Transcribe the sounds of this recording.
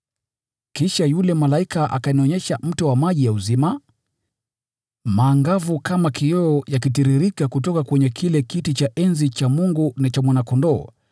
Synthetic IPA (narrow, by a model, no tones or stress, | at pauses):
kiʃajulɛmalaikaʔa̰kaniɔɲɛʃam̩tɔwamaʄijauzima | maːŋɡavukamakiɔɔjak̬it̬iɾiɾikakutɔkakwɛɲɛkʰilɛkitit͡ʃaʔɛnzit͡ʃamuŋɡunat͡ʃamwanakɔndɔː